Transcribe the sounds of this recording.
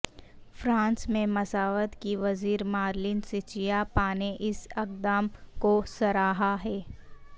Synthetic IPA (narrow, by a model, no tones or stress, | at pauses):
fɾãːnsmẽmɐsaːʋət̪kiʋɐziːɾmaːɾlɪnsɪt͡ʃijapaːneʔɪsɐk̚d̪aːmkosɐɾaːɦaɦɛː